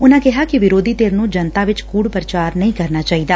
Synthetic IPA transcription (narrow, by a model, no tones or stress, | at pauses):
ʊnãːkɛɦakiʋɪɾoːd̪ʱiːt̪eːɾnũd͡ʒənt̪aʋɪt͡ʃkuːɽpɾət͡ʃaːɾnɐɦĩkɐɾnaːt͡ʃaːɦid̪aː